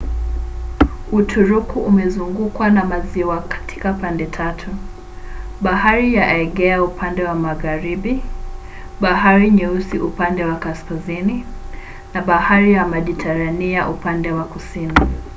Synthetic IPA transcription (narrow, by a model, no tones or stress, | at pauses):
utʰuɾukuʔumɛzuŋɡukwanamaziwakḁtʰi̥kapandɛtʰatʰu | ɓahaɾijaʔɛɠɛaupʰandɛwamaɣaɾiɓi | ɓaɦaɾiɲɛusiʔupandɛwakaskazini | naɓahaɾijamaʄitʰaɾaniaʔupandɛwakusini